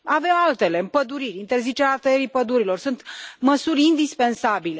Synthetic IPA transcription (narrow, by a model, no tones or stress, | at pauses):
avemalt̪e̞le̞mpəd̪uɾirʲint̪erzit͡ʃeɾeat̪əjeɾipəd̪uɾilo̞rsunt̪məsurʲind̪ispe̞nsabile̞